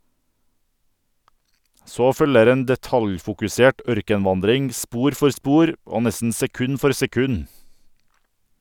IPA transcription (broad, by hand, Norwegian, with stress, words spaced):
ˈsoː ˈfœləɾ ˈeːn dɛˈtɑljfʊkʉˌseːʈ ˈœɾkənˌʋɑndɾɪŋ ˈspuːɾ ˈfɔɾ ˈspuːɾ ˈoː ˈnɛsn̩ sɛˈkʉn ˈfɔɾ sɛˈkʉn